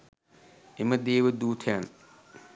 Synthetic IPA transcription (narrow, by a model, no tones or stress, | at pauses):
ɪmɐd̪eːwɐd̪uːt̪ʰɛːn